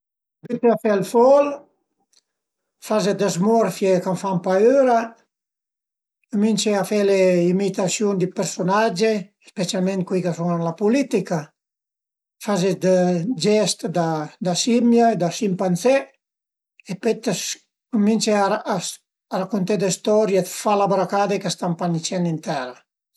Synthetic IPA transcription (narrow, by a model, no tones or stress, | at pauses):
binseafɛlfɔl | fazed̪əzmɔɾfjekamfampaøːɾa | komint͡ʃeafɛleimit̪asjund̪ipɛɾsonad͡ʒe | spesjalmẽnt̪̚kwikasunanlapulit̪ika | fazed̪d͡ʒɛst̪d̪ad̪asimjad̪asimpansɛ | epet̪s | kominsea | ɾakːont̪ed̪est̪ɔɾjefalabɾakad̪ekast̪ampanit͡ʃɛnint̪ɛːɾa